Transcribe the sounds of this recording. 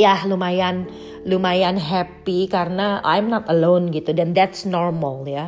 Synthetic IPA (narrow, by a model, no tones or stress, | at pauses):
jahlumajan | lumajanɦɛpikaɾənaʔa̰jmnɔt̪əlonɡit̪udɛnd̪ɛtsnɔrməlja